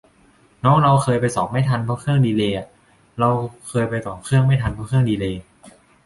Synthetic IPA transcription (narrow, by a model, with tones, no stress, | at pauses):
nɔː˦˥ŋɾa˧wkʰɤː˧jpa˧jsɔː˩˦p̚ma˥˩jt̪ʰa˧npʰɔː˦˥kʰɯ˥˩əŋdiː˧leː˧ʔa˨˩ | ɾa˧wkʰɤː˧jpa˧jt̪ɔː˨˩˦mkʰɯ˥˩əŋma˥˩jt̪ʰa˧npʰɔː˦˥kʰɯ˥˩əŋdiː˧leː˧